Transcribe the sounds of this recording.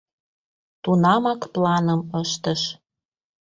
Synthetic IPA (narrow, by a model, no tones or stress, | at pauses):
t̪unɑmɑkplɑnə̆məʃt̪əʃ